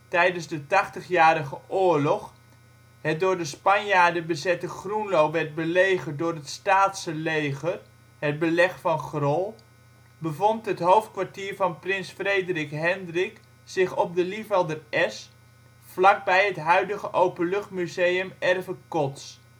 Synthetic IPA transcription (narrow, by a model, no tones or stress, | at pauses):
tɛjdənzdətɑχtəχjaːɾəχəʔʊːɹlɔχ | hət̚dʊːɹdəspɑnjaːdəbəzɛtəχrunlowʋɛɹd̚bəlejχədʊːrɦətstaːtsəlejχər | ɦəd̚bəlɛχfɑnχrɔlˠ | bəvɔntɦətɦowftkʋaɹtiːɹvɑnprɪnsfrejdrɪkɦɛndrɪk | sɪχɔp̚dəlivɛlˠdərɛs | flɑk̚bɛjɦətɦœɥdəɣəʔowpəlɵχtmyzejəmɛrvəkɔts